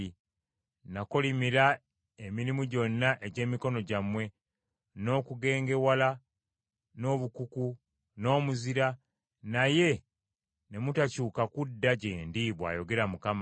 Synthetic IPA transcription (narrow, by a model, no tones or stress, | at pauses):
i | nako̞limiɾa | emiɾimuɟo̞nːaʔeɟe̞ːmiko̞no̞ɟamwe̞ | no̞ːkuɡe̞ːŋɡe̞wala | no̞ːβukuku | no̞ːmuziɾa | naje̞ | ne̞mutacuːkakudːaɟeːndiβwa̰ːjo̞ɡe̞ɾamukam